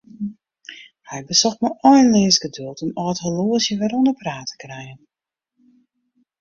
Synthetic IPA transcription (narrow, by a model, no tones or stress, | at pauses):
hɛjbəsɔxtməʔɔjnlɪːəsɡədølˠtənɔəthəloəsjəʋɛɾondəpraːtʰə̥krɛjən